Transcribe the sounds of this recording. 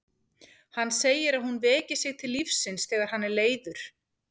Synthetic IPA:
hanːseːjɪɾaðhunvɛːcɪ̥sɪɣt̪ʰɪlːifsɪnsθɛːɣaɾ̥hanːɛɾleːjðʏɾ̥

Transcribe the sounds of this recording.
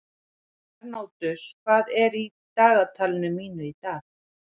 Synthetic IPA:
aɾnoːwt̪ʏskʰvaːðɛɾi | t̪aːðat̪ʰalɪnʏmːiːnʏit̪aːθ

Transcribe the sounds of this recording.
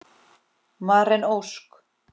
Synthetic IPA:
maɾɛnowsk

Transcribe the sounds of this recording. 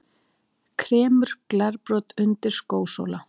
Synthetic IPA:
kʰɾɛːmʏɾ̥klɛɾpɾɔːt̪ʏnt̪ɪɾ̥skoːwso̰wla

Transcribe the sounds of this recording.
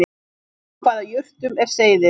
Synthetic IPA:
ɪ | kʰvaːðajʏr̥t̪ʏmɛɾ̥seːjðɪ

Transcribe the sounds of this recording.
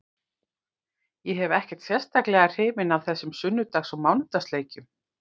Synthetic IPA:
jɛɦɛvɛhcɛ̥t̪sjɛ̥st̪aklɛɣar̥r̥eːvɪnavθɛsːʏmsʏnːʏt̪axsɔmawnʏt̪ast̪leːjcʏm

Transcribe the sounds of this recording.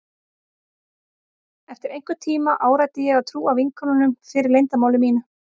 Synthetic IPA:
ɛft̪ɪɾejŋ̥kʏt̪ʰiːmaʔaːwɾajt̪ɪjɛɣawt̪ʰɾuːavɪŋkʰɔnanʏmfɪːɾɪɾlejnt̪amaːwlʏmiːnʏ

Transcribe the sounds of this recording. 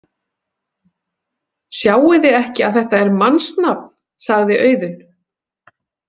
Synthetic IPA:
sjaːwɪðɪɛhcɪaðθɛht̪aɛɾmanst̪napn̥ | saɣðɪʔœːɥðʏn

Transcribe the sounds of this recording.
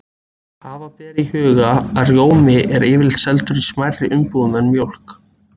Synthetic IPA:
haːvapɛːɾihʏːɣaaðrjoːwmɪʔɛɾɪːvɪlsɛlt̪ʏɾismajɾrɪʔʏmpoðnɛnmjowl̥k

